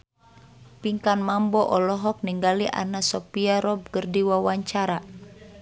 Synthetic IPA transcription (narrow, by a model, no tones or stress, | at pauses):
piŋkanmambɔʔɔlɔɦɔk̚niŋɡaliʔa̰nasɔpiaɾɔb̚kərdiwawaɲt͡ʃaɾa